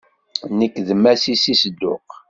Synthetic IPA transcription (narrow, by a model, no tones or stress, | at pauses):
nəkːðəmːæsisisəd̪ːʊq